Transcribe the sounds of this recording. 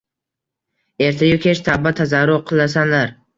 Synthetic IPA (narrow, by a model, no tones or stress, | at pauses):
e̞ɾt̪ʰajʊkʲʰeʃt̪ʰabːat̪ʰazaɾʊɾqʰɨlˠasanlaɾ